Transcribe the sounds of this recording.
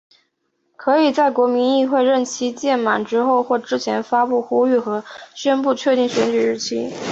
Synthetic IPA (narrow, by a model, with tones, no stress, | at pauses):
kʰɤ˧˥i˨˩t͡sa˥˩ɪkwɔ˧˥mi˧˥ni˥˧xwe˥˧ɪɻə˥˩nt͡ɕʰi˥t͡ɕjɛ˥˩nma̰˨˩nʈ͡ʂɻ̩˥xo˥˧ʊxwɔ˥˩ʈ͡ʂɻ̩˥t͡ɕʰjɛ˧˥nfa˥pu˥˩xu˥y˥˩xɤ˧˥ɕɥɛ˥npu˥˧t͡ɕʰɥɛ˥˧t̪i˥˩ŋɕɥɛ˧˥nt͡ɕy˨˩ɻ̩˥˩t͡ɕʰḭ˧˥